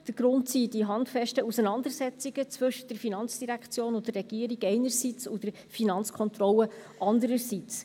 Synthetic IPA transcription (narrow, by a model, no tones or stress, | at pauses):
d̥əɾɡ̥ɾʊntsidiɦɑndfɛʃtəusənɑndəɾsɛt͡siɡ̥ət͡sʋɵʃə̥d̥əɾfinɑnt͡sd̥iɾækt͡sjoːnʊntd̥ərːɛɡ̥iːəɾiɡɛɪnəɾsiːt͡sudɛɾ | finɑnt͡skʰɔnt̪rɔləʔɑndəɾəɾsit͡s